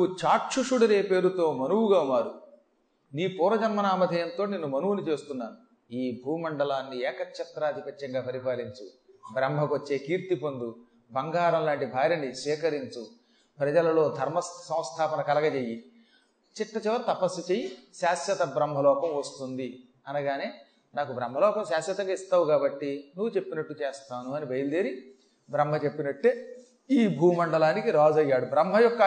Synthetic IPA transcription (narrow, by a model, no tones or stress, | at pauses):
nut͡ʃaːʈt͡ʃuʂuːɽɐɾeːpe̞ːɾut̪o̞ːmɐnuwuɡaːunaːɾu | niːpuːɾɐd͡ʒɐnmɐnaːmɐd̪ʱɐjɐnt̪o̞ːneːnːumɐnuʋunit͡ʃe̞ːst̪unːaːnu | iːbʱuːmɐɳɖɐlaːnːiɛːkɐkʃɐt̪ɾaːɐd̪ʱipɐtjɐŋɡaːpɐɾipaːliɲt͡ʃu | bɾɐmbʱɐkot͡ʃːe̞ːkiːɾt̪ipond̪u | bɐŋɡaːɾɐmlaːɳʈibʱaːɾjɐnisʋiːkɐɾiɲt͡ʃu | pɾɐd͡ʒɐlɐlo̞ːd̪ʱɐɾmɐssɐ̃w̃st̪ʰaːpɐnɐkɐlɐɡɐt͡ʃeːjːi | t͡ʃiʈːɐt͡ʃɛʋɐɾt̪ɐpɐsut͡ʃeːjiʃaːsjɐt̪ɐbɾɐmbʱɐlɔːkɐmʋɐst̪und̪i | ɐnɐɡaːneː | naːkubɾɐmbʱɐlɔːkɐmʃaːsjɐt̪ɐŋɡaːist̪aːʋukaːbɐʈːinuʋːut͡ʃe̞pːinɐʈːut͡ʃeːst̪aːnuɐnibʱɐjɐld̪eːɾi | bɾɐmbʱɐt͡ʃe̞pːinɐʈːeː | iːbʱuːmɐɳɖɐlaːnikiɾaːd͡ʒɐjːaːɽubɾɐmʱɐjɔkːɐ